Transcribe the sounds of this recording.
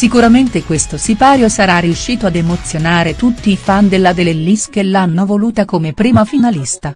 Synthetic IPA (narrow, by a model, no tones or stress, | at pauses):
sikuɾament̪ekwest̪osipaːɾjosaɾarːiuʃːiːt̪oad̪emot̪sːjonaːɾet̪ut̪ːiːfand̪elːad̪elelːiskelːanːovoluːt̪akomepɾiːmafinalist̪a